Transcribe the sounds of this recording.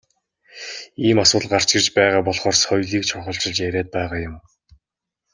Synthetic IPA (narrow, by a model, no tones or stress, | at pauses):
iːmasʊːɮɢar̥t͡ɕɡɪ̆rt͡ɕpæːʁaːpɔɮχɔːrsχɔjɮiːkt͡ɕʰʊχə̆ɬt͡ɕɪ̆ɮt͡ɕjæɾʲæːt̪̚pæːʁaːjʊm